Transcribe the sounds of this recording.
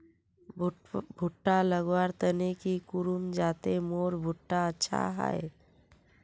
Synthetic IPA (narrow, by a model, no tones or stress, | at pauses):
bʱʊʈːaləɡwaːɾt̪ənekikʊɾumd͡ʒaːt̪emoːɾbʱʊʈːaətːʃʰa̰ɦɛ̰e